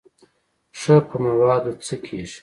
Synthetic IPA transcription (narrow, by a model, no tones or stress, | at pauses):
ʂəpʰəmawɑːd̪ot͡səkʰeːʒ